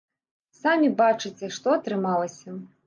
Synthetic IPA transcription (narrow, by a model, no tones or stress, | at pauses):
samʲibat͡ʂɨt͡sʲɛʂt̪ɔɐt̪ɾɨmalˠɐsʲɐ